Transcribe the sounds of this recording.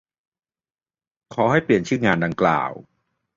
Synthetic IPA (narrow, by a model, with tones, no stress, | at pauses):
kʰɔː˩˦ha˥˩jpli˨˩ənt͡ɕʰɯː˥˩ŋaː˧nda˧ŋkla̰ː˨˩w